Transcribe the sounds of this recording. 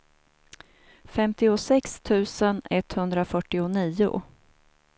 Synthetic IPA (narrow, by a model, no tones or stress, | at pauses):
fɛmt̪ɪʊsɛkst̪ʰʉ̟ːsənɛt̪ːhɵnd̪ɾafœʈːɪʊniːʊ̰